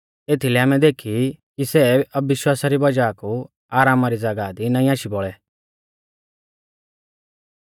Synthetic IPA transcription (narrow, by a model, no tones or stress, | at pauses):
eːt̪ʰilɛaːmɛd̪eːkʰikisɛɐbːɪʃwaːsaɾibɐd͡ʒaːku | aːɾaːmaɾid͡zɐɡad̪inãːĩaːʃibɔɭɛ